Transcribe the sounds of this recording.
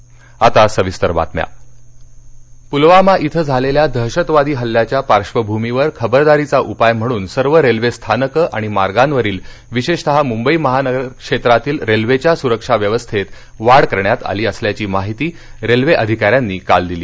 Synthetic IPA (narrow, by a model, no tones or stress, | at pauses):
at̪asəʋist̪əɾba̰t̪mja̰ | pulʋamaʔit̪ʰəd͡zʱaleljad̪ʱəɦɕət̪ʋad̪iːɦəlːjat͡ɕjapaɾʂʋəbʱumiʋəɾkʰəbəɾd̪aɾit͡saʔupajm̤əɽ̃uːnsəɾʋəɾelʋest̪ʰanəkəʔaɽ̃imaɾɡanʋəɾiːl | ʋiɕeʂt̪əɦamumbəiːməɦanəɡəɾkʂet̪ɾat̪iːlɾelʋet͡ɕjasuɾəkʂaʋjəʋəst̪ʰet̪ | ʋaɽkəɾɳjat̪a̰liːəsljat͡ɕiːmaɦit̪iː | ɾelʋeʔəd̪ʱikaɾjanːiːkald̪iliː